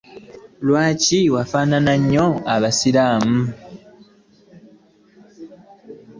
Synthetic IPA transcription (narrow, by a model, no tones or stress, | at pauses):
lwaːciwafaːnanaɲːoaβasilaːmu